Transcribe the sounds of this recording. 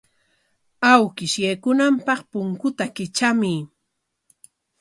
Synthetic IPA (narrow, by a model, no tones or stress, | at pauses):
awkɪʃjejkʊnampɑχpʊŋkʊt̪akɪt͡ʃamɪ